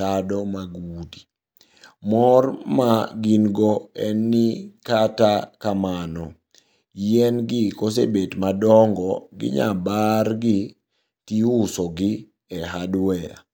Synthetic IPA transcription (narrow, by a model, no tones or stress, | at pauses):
adɔmaɡudi | mɔrmaɡinɡɔɛnːɪkatakamanɔ | jɛnɡɪkos̬ebetmadɔŋɡɔɡɪ̰ɲa̰barɡɪ | tiusɔɡɪ | ɛɦadwɛja̰